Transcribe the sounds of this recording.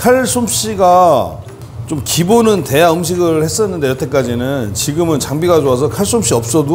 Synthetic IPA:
kʰaɭs͈ʰomɕ͈iɡa | t͡ɕomkibonɯnte̞jaɯmɕʰiɡɯɭhe̞s͈ʌnːɯnde̞jʌt͈ʰe̞k͈ad͡ʑinɯnt͡ɕiɡɯmɯnt͡ɕaŋbiɡad͡ʑoasʰʌkʰaɭs͈omɕ͈iʌp̚s͈ʌdo

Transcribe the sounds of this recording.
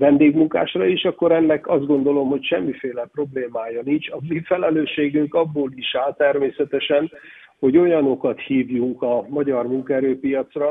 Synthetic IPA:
vɛnd̪eːɡmuŋka̰ːʃrɒiːʃɒkːo̞ɾɛnːɛkɒzd̪ɡo̞nd̪o̞lo̞mho̞cʃɛmːifeːlɛpro̞bleːmaːjɒnint͡ʃɒmifɛlɛløːʃːeːɡyŋkɒbːoːliʃaːlt̪ɛrmeːsɛt̪ɛʃɛn | ho̞ɟo̞jɒno̞kɒt̪hiːvjuŋkɒmɒɟɒrmuŋkɒɛɾøːpijɒt̪srɒ

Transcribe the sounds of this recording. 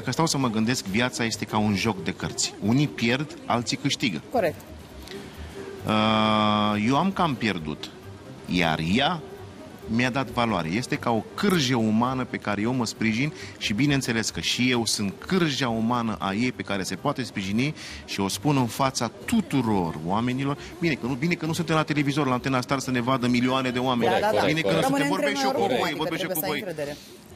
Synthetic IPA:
d̪akəst̪awsəməɡɨnd̪e̞skvjat̪saje̞st̪e̞kaunʒo̞kd̪e̞kərt̪sʲunipje̞rd̪ | a̰lt̪sikɨʃt̪iɡəkoɾek̚t̪ | ə | je̞wamkampje̞rd̪ṵt̪ | ja̰rja | mjad̪at̪vala̰ɾḛje̞st̪e̞kao̞kɨrʒəumanəpe̞kaɾe̞je̞wməspɾiʒinʃibine̞ɨnt̪se̞le̞skəʃije̞wsɨnt̪̚kʰɨrʒaumanəʔaje̞jpe̞kaɾe̞se̞poat̪e̞spɾiʒini | ʃio̞spunɨnfat̪sat̪ut̪uɾo̞roame̞nilo̞r | bine̞kənubine̞kənusunt̪̬emlat̪e̞le̞vizo̞rlant̪e̞nast̪arsəne̞vad̪əmilioane̞d̪e̞oamenbinekənusut̪evoɾbeʃt̪okuvojvorbeʃt̪eokuvo̞j

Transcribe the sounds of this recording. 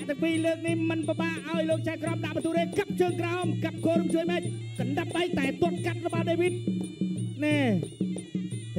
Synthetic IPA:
ʔt̪ɨ̆əŋpiːləːk̚nihmɨnpəɓaːʔʔaɔjloːk̚t͡ɕaɛkrop̚ɗaʔɓɑnt̪ʰuːɾeːkəp̚t͡ɕəːŋkraɔmkap̚kʰoːɾumt͡ɕuəjmɛːc̚kɑnɗəp̚ɓajk̚t̪aɛt̪ŏət̪̚kat̪̚ləɓɑlɗeːʋit̪̚ | ne

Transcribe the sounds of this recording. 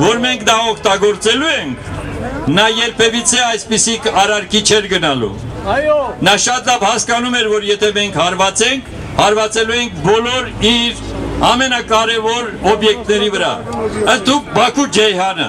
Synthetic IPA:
vɔɾmɛŋkʰd̪ɑɔk̚ʰt̪ɑɡɔɾt͡sɛluɛŋkʰnɑjɛɾpʰɛvit͡sʰɛɑjspisikɑɾɑɾkit͡ʃʰɛɾɡənɑlṵ | nɑʃɑt̪lɑvhɑskɑnumɛɾvɔɾjɛt̪ʰɛmɛŋkʰhɑɾvɑt͡sɛŋkʰ | hɑɾvɑt͡sɛlujɛŋk̚ʰbɔlɔɾiɾɑmɛnɑkɑɾɛvɔɾɔbjɛk̚t̪nɛɾivəɾɑ̰ənt̪ʰuk̚bɑkʰud͡ʒɛjɦɑnə̰

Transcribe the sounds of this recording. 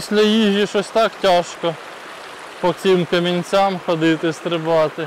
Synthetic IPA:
sʲlʲɐjiʒʲjiʃɔsʲt̪ɑktʲɑʃkɔ | pɔt͡sʲɪmkɐmʲinʲt͡sʲamxɔd̪ɪt̪ɪst̪ɾɪbɑt̪ɪ

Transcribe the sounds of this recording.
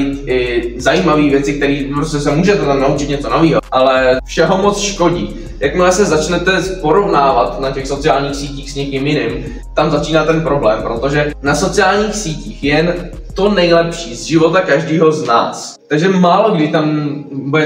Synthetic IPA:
t̪ɪzajiːmaviːvjɛt͡sɪkt̪ɛɾiːpɾoscɛs̬ɛmuːʒɛt̪ɛt̪amnaut͡ʃɪt̪ɲɛt͡so̞noviːɦoʔalɛfʃɛɦo̞mo̞t͡sʃko̞ɟḭː | jakmɛɛsɛzat͡ʃnɛt̪ɛpo̞ɾo̞vnaːvat̪nacɛxso̞t͡sɪaːlɲiːxsiːciːxsɲɛkɪmjɪnɪm | t̪amzat͡ʃiːnaːt̪ɛnpɾo̞blɛːmpɾot̪o̞ʒɛnaso̞t͡sɪaːlɲiːxsiːciːxjɛn | t̪o̞nɛjlɛpʃiːzʒɪvo̞t̪akaʒdiːɦo̞zna̰ːs | t̪aɡʒɛmaːlo̞ɡdɪt̪ambuɛ

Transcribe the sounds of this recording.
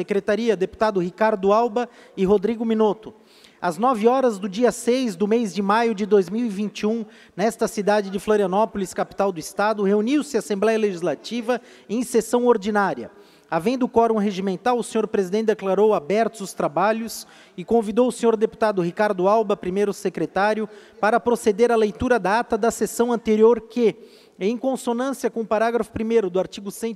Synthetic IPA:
sekɾet̪aɾiɐd̪epu̥t̪ad̪ʊɦikaɾd̪ʊawbɐ | ɪɦod̪ɾiɡʊminot̪ʊ | aznɔvɪɔɾɐzd̪ʊd͡ʒiɐsejzd̪ʊmejzd͡ʒɪmajʊd͡ʒɪd̪ojzmiwivĩnt͡ʃiũ | nɛst̪ɐsid̪ad͡ʒɪd͡ʒɪfloɾiɐ̃nɔpoliskapi̥t̪awd̪ʊist̪ad̪ʊheuniwsɪasẽblɛjɐleʒizlat͡ʃivɐ | ẽj̃sesɐ̃w̃oɾd͡ʒinaɾiɐ̰ | avẽd̪ʊkɔɾõw̃ɦeʒimẽnt̪awʊsẽɲoɾpɾezid̪ẽnt̪ɪd̪eklaɾowabɛɾt̪ʊzʊst̪ɾabaʎʊs | ɪkõvid̪owʊsẽɲoɾd̪epu̥t̪ad̪ʊɦikaɾd̪ʊawbɐpɾimejɾʊsekɾet̪aɾjʊpaɾɐpɾosed̪eɾɐlejt̪uɾɐd̪aat̪ɐd̪ɐsesɐ̃w̃ɐ̃nt̪eɾioɾkɪ | ẽj̃kõsonɐ̃siɐkõʊpaɾaɡɾɐfʊ̥pɾimejɾʊd̪ʊaɾt͡ʃiɡʊsẽ

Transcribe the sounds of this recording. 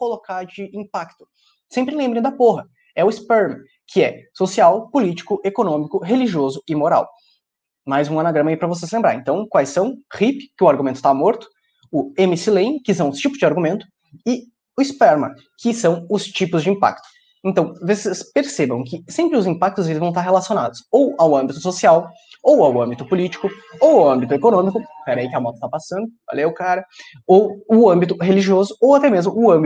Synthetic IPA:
kolokaɾd͡ʒɪĩpakt̪ʊ̥ | sẽmpɾɪlẽmbɾẽd̪ɐpoɦɐ | ɛʊispɛɾmɐ̰̃ | kʰɪɛsosiawpolit͡ʃi̥kʊʔekonõmikʊɦeliʒiozʊɪmoɾa̰w | majzũɐnaɡɾɐ̃mɐaipɾɐvos̬esɪlẽmbɾaɾẽnt̪ɐ̃w̃kwajsːɐ̃w̃hipkɪʊaɾɡumẽnt̪ʊ̥t̪amoɾt̪ʊ̥ | ʊẽmisilẽj̃kɪsɐ̃w̃ʊst͡ʃipʊzd͡ʒɪaɾɡumẽnt̪ʊ̥ | ɪ | ʊispɛɾmɐ̰̃ | kʰɪsɐ̃w̃ʊst͡ʃipʊzd͡ʒɪĩpa̰k̚t̪ʊ̥ | ẽnt̪ɐ̃w̃vosespeɾsebɐ̃w̃kɪsẽmpɾɪʊzĩpak̚t̪ʊzelɪzvɐ̃w̃t̪aɾɦelasiona̰d̪ʊsowawɐ̃mbit̪ʊ̥sosiaw | owawɐ̃mbit̪ʊpʊlit͡ʃi̥kʊ | owɐ̃mbit̪ʊekonõmikʊpɛɾɐikɪɐmɔt̪ɐ̥t̪apasɐ̃nd̪ʊva̰lewʊkaɾɐ | owʊɐ̃mbit̪ʊheliʒiozʊowat̪ɛmezmʊʊɐ̃mbi

